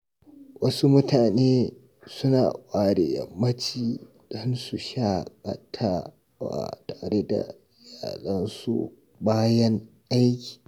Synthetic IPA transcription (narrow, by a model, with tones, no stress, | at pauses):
wɐ˦su˦mʊ˦tʰaː˨neː˦ | sʊ˦naː˨ʔʷʼaː˨ɽḛ˨jɐ̰˨mːɐ˦t͡ʃiː˨ | d̥ɔ˦nsu˨ʃa˦˨kʼɐ˦tʰaː˦ | wa̰˨ta˨ɾe˦da̰˨ | jaː˨lɐ˦nsṵ˦ | baː˦jɐ˦ŋ | ʔa˦jkʲi̥˨